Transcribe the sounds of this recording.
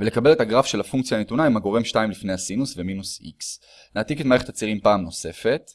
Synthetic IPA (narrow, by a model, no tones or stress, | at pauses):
vele̞kabe̞le̞t̪aɡʁafʃe̞lafuŋk̚t͡sjanet̪unaimaɡo̞ʁe̞mʃtaimlifne̞jhasinusve̞minusḭks | naːt̪iketmaeχet̪at͡siʁimpaːmno̞se̞fe̞t̪